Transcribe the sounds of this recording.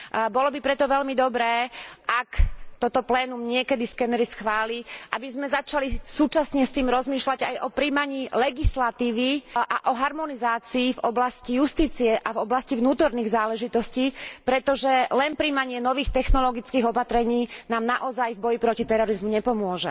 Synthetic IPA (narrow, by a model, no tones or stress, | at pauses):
bɔlɔbipɾɛt̪ɔʋɛʎmid̪ɔbɾɛːʔakt̪ɔt̪ɔplɛːnumɲɪɛkɛd̪iskɛnɛɾisxʋaːliʔabizmɛzat͡ʃalisuːt͡ʃasɲɛst̪iːmɾɔzmiːʃlaɟajʔɔpɾiːmaɲiːlɛɡislat̪iːʋiʔaʔɔɦaɾmɔnizaːt͡siːvɔblascijust̪iːt͡siɛʔavɔblascivnuːt̪ɔɾniːɣzaːlɛʒit̪ɔsciːpɾɛt̪ɔʒɛlɛnpɾiːmaɲɪɛnɔʋiːxt̪ɛxnɔlɔɡit͡skiːɣɔpat̪ɾɛɲiːnaːmnaʔɔzajvbɔjipɾɔcit̪ɛɾɔɾizmuɲɛpɔmʊɔʒɛ